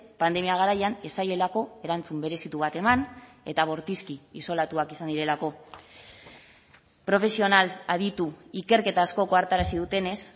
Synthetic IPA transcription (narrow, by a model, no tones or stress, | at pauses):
pand̪e̞miaɣ̞aɾajane̞saje̞lako̞e̞ɾant͡sumbe̞ɾe̞sit̪uβ̞at̪e̞man | e̞t̪aβ̞o̞ɾt̪iskiiso̞lat̪uakisand̪iɾe̞lako̞ | pɾo̞fe̞sio̞nalaðit̪uike̞ɾke̞t̪aːsko̞ko̞aɾt̪aɾasið̞ut̪e̞ne̞s